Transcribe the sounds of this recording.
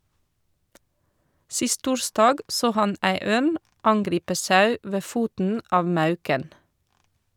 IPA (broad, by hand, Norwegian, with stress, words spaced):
ˈsɪst ˈtuːɹstɑːɡ ˈsoː ˈhɑn ˈʔæɪ ˈøːn ˈʔɑnɡɾiːpə ˈsɑʉ ˈʋeː ˈfuːtn̩ ˈʔɑːʋ ˈmɑʉkən